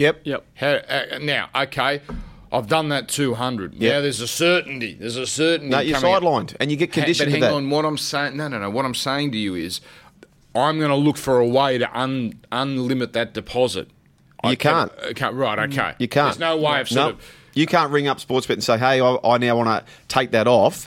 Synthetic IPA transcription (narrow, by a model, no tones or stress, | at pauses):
jɛp̚jɛhænaʊʔoʊkʰeɪʔaɪvdʌ̃nðɨtʰʉɦʌ̃ndɹɨd̚ⁿnaʊðə˞zɨsɜ˞ʔn̩tḭðə˞zəsɜ˞ʔn̩jə̃˞saɪdˡlãɪ̃nɨ̃njɨɡɛt̚kʰɨ̃ndɪʃʌt̚hæ̃ðæŋə̃nwʌɾãɪ̃mseɪɪ̃ŋnoʊdõʊ̃noʊwʌɾãɪ̃mseɪɪ̃ŋtɨjɨɪz | ʔãɪ̃mɡʌnəlʊkfə˞əweɪɾɨ̰ʔʌ̃nə̃nlɪ̃mɨt̪̚ðɨt̚d̥ɨpʰɑzɨ̰t̚ | ʔjɨkʰæ̃ntkʰæɹaɪɾoʊkʰḛɪjɨkʰæ̃nznoʊweɪaɪv̥sno | jɨkʰæ̃nt̚ɹɪ̃ŋʌpspɔɹtsb̥ɪɾn̩seɪɦeɪaɪʔa̰ɪnaʊwɑ̃nə̰ | tʰeɪk̚ðɨɾɔf